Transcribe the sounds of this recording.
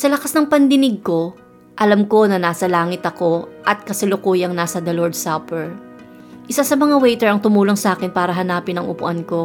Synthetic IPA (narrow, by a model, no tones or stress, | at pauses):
sɐlɐkasnɐŋpɐnd̪ɪnɪɡ̚ko̞ | ʔɐlamko̞nɐnaːsɐlaːŋɪt̪ɐko̞ʔɐt̪̚kɐsɪlokuːjɐŋnaːsɐd̪ɐloɹd̪̚sapɛɹ | ʔɪsasɐmɐŋawɛjt̪ɛɹɐŋt̪ʊmuːloŋsɐʔaːkɪnpaːɾɐɦɐnaːpɪnɐŋʊpʊʔɐnko̞